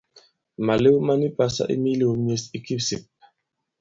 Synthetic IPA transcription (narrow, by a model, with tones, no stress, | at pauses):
ma˨le˦wu˦ma˦ni˦pa˨sa̰˦ʔḭ˦mi˦li˨o˨m˦e˦si˦ki˦fsi˨